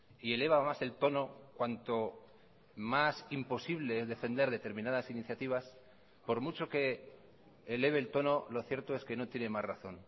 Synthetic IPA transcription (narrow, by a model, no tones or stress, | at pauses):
ie̞le̞β̞amase̞lt̪o̞no̞kwant̪o̞ | masimpo̞siβle̞ezðe̞fe̞nd̪e̞ɾðet̪e̞ɾmĩnaðasiniθjat̪iβas | po̞ɾmut͡ʃo̞ke̞ː | le̞β̞eːlt̪o̞no̞lo̞θje̞ɾt̪o̞e̞ske̞no̞t̪jene̞mazraθo̞̰n